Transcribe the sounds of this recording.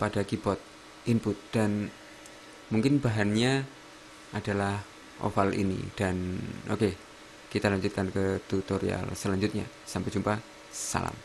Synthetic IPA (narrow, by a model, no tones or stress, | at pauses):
padakibɔt̪̚ | impʊt̪̚d̥an | muŋkɪnbaɦanɲa | ʔadalah | ʔo̰falḭnḭd̥anoke | kit̪alaɲd͡ʒut̪̚kankət̪ut̪oɾḭa̰lsəlaɲd͡ʒut̪̚ɲa̰ | sampɛd͡ʒumpa | sa̰la̰m